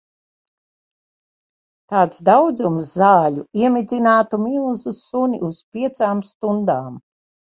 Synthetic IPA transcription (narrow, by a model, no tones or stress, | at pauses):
t̪aːt̪sd̪awd̪zumsːaːʎʲuiɛmʲid̪zʲinaːt̪umilˠzusunʲḭʔuspʲiɛt̪saːmst̪und̪aːm